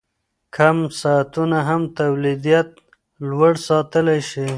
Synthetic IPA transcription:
kʰamsɑːt̪unaɦamt̪awlid̪ijat̪̚ | lwaɽsɑt̪əlajʃi

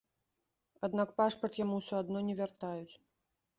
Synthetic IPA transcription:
ad̪nakpaʂpɐrt̪jamuwsʲɔad̪nɔnʲɛvʲart̪ajut͡sʲ

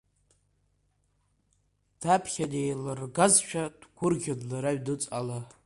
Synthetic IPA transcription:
d̥apʰχʲanejlarɡazʃʷᶣad̥ɡʷʰʊrɡʲadnaɾaɥdɨt͡sʼala

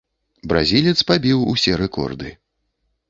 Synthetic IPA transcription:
bɾa̰zʲilʲɛt̪spabʲiwusʲɛɾɛkɔ̰rd̪ɨ

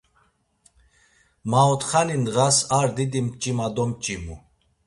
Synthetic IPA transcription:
maɔt̪χaninʁasaɾd̪id̪imt͡ʃʼimad̪ɔmt͡ʃʼimu

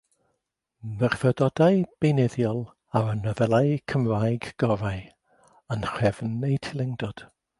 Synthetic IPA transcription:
mərvədɔdaɨb̥ejnɛðjɔlˠ | aənəvɛlˠaɨkʰəmraːjɡɡ̥ɔɾaɨ | ənχɛvnejtʰɪlˠɛŋdɔd̥

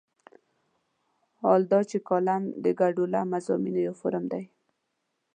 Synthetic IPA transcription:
hɑld̪ɑt͡ʃekɑlamd̪əɡaɖolamazɑ̰minəjofʊɾəmd̪aj

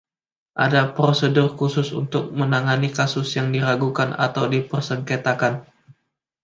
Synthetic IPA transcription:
ʔadapɾosədʊrkusʊsṵnt̪ʊk̚mənaŋanikasʊsjaŋdiɾaɡukana̰t̪awdipərsəŋkat̪akan

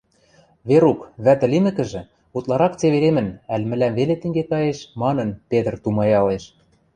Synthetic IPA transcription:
βeɾukβæt̪ɘ̆limɘ̆kɘ̆ʒĕ | ut̪lˠɑɾɑkt͡seβeɾemɘ̆nælmɘ̆læmvelet̪ĕŋɡekɑjeʃmɑnɤ̆npet̪ə̆rt̪umɑjɑleʃ

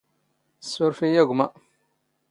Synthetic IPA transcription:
soɾfijaɡuma

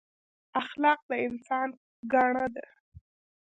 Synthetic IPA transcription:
axlɑq̚d̪əɪnsɑn | ɡɑɳad̪a̰

